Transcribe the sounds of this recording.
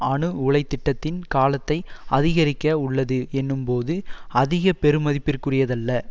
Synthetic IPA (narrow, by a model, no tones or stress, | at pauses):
ɐɳɯʊɭɐɪt̪ːɪʈːɐt̪ːɪnkaːlɐt̪ːɐɪɐðɪɣɐɾɪkːɐʊɭːɐðɯɛnːɯmpoːðɯɐðɪɣɐpɛɾɯmɐðɪpːɪrkɯrɪjɐðɐlːɐ